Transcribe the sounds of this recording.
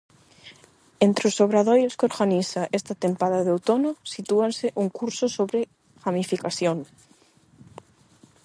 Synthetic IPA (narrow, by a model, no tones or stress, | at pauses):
ent̪ɾeosoβɾaðojoskoɾɣanisaʔest̪at̪empaðaðowt̪onosit̪uanseʔuŋkuɾsosoβɾe | ɣamifikasjoŋ